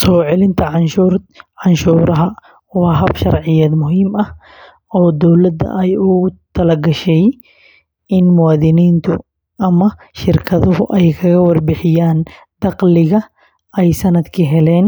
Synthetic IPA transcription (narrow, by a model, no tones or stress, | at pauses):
sɔːʕɪlɪnt̪ʰɐʕnʃuɾʕɑnʃuːɾɐɦɐ | wɑːɦɐbʃɐrʕɪjaːd̪mʊɦiːmɐh | ɔːd̪ɔwlɐd̪ɐ̰ʔɛjʊɣʊt̪ʰɐlɐɡɐʃɛj | ʔɪnmʊwaːðɪniːnt̪ʰʊ̰ | ʔɐmɐ | ʃɪrkʰɐðʊɦʊʔɛjkʰɐɣɐwɐrbɪħɪjaːn | d̪ɑqlɪɣɐ | ɛjsɐnɐd̪kʰiːɦɛlɛːn